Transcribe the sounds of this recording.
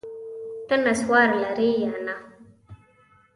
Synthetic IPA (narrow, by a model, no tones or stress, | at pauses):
tənaswaɾlaɾijana